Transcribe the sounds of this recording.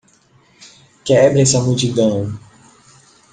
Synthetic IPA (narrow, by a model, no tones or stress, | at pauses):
kɛɛbɾɛsamut͡ʃid̪ɐ̃w̃